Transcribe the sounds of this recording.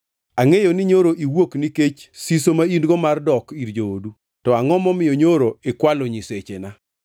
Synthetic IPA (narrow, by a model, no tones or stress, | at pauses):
aŋejonɪɲoɾoʔiwokniket͡ʃsisomaindɡɔmardɔkiɾd͡ʒoodu | tɔaŋɔmɔmɪjɔɲoɾoɪkwaloɲiset͡ʃena